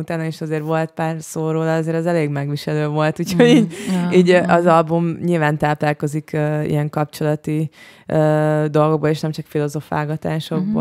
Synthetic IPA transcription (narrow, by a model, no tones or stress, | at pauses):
ut̪aːnɒeʃɒzeːɾʋo̞lt̪̚paːrsoːɾoːlɒɒzeːɾɛzɛleːɡmɛɡʋiʃɛløːvo̞lt̪uːcʰho̞ɟiːɟiːɟʔɒzɒlbumɲilvaːnt̪aːplaːko̞zikʰøḭjɛŋkɒpt͡ʃo̞lɒt̪i | ød̪o̞lɡo̞ɡ̚boleːʃnɛmt͡ʃɒkfilo̞zo̞fa̰ːɡɒt̪aːʃo̞ɡ̚bo̰